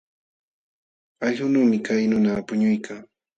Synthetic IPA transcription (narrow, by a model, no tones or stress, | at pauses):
aʎhʊnuːmɪkajnʊnapʊɲʊjkʰaŋ